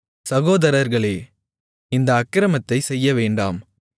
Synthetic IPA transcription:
sɐɣoːðɐɾɐɾɣɐɭeː | ɪnd̪ɐːkːɪɾɐmɐt̪ːɐɪsɛjːɐʋeːɳɖa̰ːm

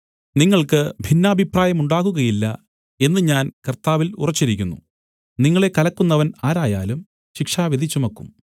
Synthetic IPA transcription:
niŋːɐɭkɨbʱinːɐːbʱipraːjɐmuɳɖaːɣuɣɐjilːɐ | e̞nːɨɲaːnkɐrt̪aːʋilṵrɐt͡ɕːiɾikʲːunːṵ | niŋːɐɭe̞kɐlɐkːunːɐʋɐnaːɾaːjaːlum | ɕikʂaːʋid̪ʱit͡ɕːumɐkːum

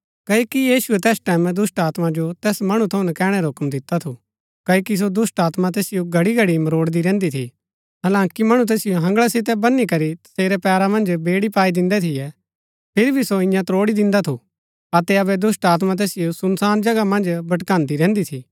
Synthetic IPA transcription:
kɐːokijiːʃuɛt̪ɛːsʈɛːmɛ̃d̪ʊsʈaːt̪mad͡ʒot̪ɛːsmɐɽ̃ũt̪ʰɐʊ̃nɛkɛːɽ̃ɛɾaɦʊkmd̪ɪt̪at̪ʰu | kɐokis̬od̪ʊsʈaːt̪mat̪̬eːsɪjoɡʱɐɽiɡʱɐɽimɐɾoːɽd̪iɾɛ̃ːnd̪it̪ʰi | ɦɐlãːŋkimɐɽ̃ut̪̬ɛːsɪjoɦɐ̃ŋɡɭasɪt̪̬ɛbɐnːikɐɾit̪ɐ̥seːɾɛpɛːɾamɐ̃nd͡ʒbeːɽipaːid̪ɪ̃nd̪ɛt̪ʰɪjɛ | pʰɪɾbʱisoɪ̃jãt̪ɾoːɽid̪ɪ̃nd̪at̪ʰu | ɐt̪ɛɐbɛd̪ʊsʈaːt̪̬mat̪̬ɛːsɪjosʊnsaːnd͡ʒɐɡamɐ̃nd͡ʒbɐʈkãːnd̪iɾɛ̃ːnd̪it̪ʰiː

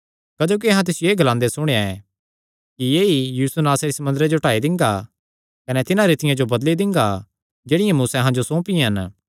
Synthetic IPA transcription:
kɐd͡ʒoːk̬iɐɦãt̪ɪsjeːɡɐlãːnd̪esʊɽ̃eaɛ | kijeːijuːsunaːsaɾisɐmʊ̃nd̪əɾed͡ʒoʈaːid̪ɪ̃ŋɡa | kɐnɛt̪ɪnãɾit̪ɪjãd͡ʒobɐd̪lid̪ɪ̃ŋɡa | d͡ʒeːɽɪjãmuːseɐɦãd͡ʒosɔ̃ːpĩɦɐn

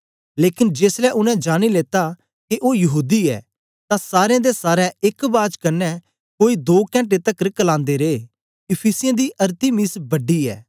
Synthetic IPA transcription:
leːkɪnd͡ʒeːslɛʔʊnɛ̃d͡ʒaːñileːt̪a | keʔoːjɐɦuːd̪iɛ̰ː | t̪ãsaːɾeãd̪esaːɾɛɪkbaːd͡ʒkɐnːɛ | koːid̪oːkɛ̃ːɳʈet̪ɐkːɾɪkːlãːnd̪eɾeː | ɪpʰiːsɪjãd̪iʔɐɾt̪imɪsbɐɖiɛ̰ː

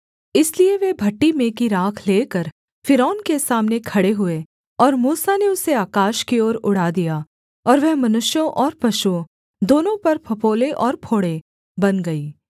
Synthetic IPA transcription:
ɪslieʋebʱɐʈːimẽːkiɾaːkʰleːkɐɾ | fɪɾɔːnkesaːmnekʰɐɽeɦʊe | ɔːɾmuːsaneʊseaːkaːʃkioːɾʊɽ̤aːd̪ija | ɔːɾʋɛɦmɐnʊʃjõʔɔːɾpɐʃu | d̪oːnõpɐɾpʰɐpoːleʔɔːɾpʰoːɽe | bɐnɡɐiː

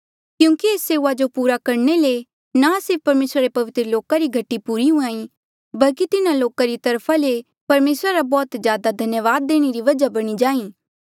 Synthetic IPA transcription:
kjũːkieːsːeːuad͡ʒopuːɾakɐɾnele | nasɪɾp̚ʰpɐɾmeːsɾaɾepɐʋɪt̪ɾəloːkaɾiɡʱɐʈːipuːɾiɦũãːĩ | bɐlkit̪ɪnaloːkaɾit̪ɐɾpʰale | pɐɾmeːsɾaɾabɔːt̪zjaːd̪ad̪ʱɐnjəʋaːd̪̚ːeːɽ̃eɾiʋɐd͡ʒabɐɽ̃id͡ʒaːĩː

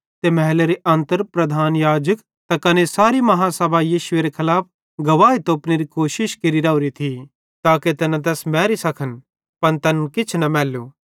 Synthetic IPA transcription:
t̪emɛɦleɾeʔɐ̃nt̪əɾpɾɐd̪ʱaːnjaːd͡ʒək | t̪ɐkɐnesaːɾimɐɦãsɐbʱajiːʃʊeɾekʰɐlaːp̚ʰ | ɡɐʋaːit̪oːpneɾikoːʃɪʃkeɾiɾɐuɾit̪ʰi | t̪aːket̪ɛnãt̪̬ɛːsmɛːɾisɐkʰən | pɐnt̪ɐnkɪt͡ʃʰnɐmɛːlu

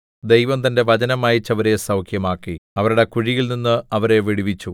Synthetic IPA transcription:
d̪ejʋɐmt̪ɐnde̞ʋɐd͡ʑɐnɐmaːjit͡ɕːɐʋɐɾe̞sɐwkʰjɐmaːkːiɐʋɐɾuɽe̞kuɻijilninːɨɐʋɐɾe̞ʋiɽiʋit͡ɕːu

